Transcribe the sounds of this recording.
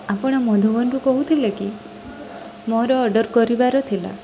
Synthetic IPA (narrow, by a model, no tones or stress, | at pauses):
apɔɽ̃ɔmɔd̪ʱubɔnʈukɔɦut̪ʰileki | mɔɾɔːɖɔɾkɔɾibaɾɔt̪ʰila̰